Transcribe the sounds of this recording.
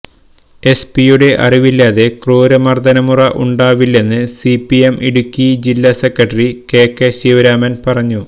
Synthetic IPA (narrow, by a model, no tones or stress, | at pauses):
e̞spijuɽe̞ʔɐ̰riʋilːaːðe̞kruːɾɐmɐrd̪ɐnɐmurɐʔuɳɖaːʋilːe̞nːɨsipːiemʔiɽukʲːid͡ʑilːase̞krɐʈːɐrike̞ːkːeɕiːʋɐɾaːmɐnpɐrɐɲːu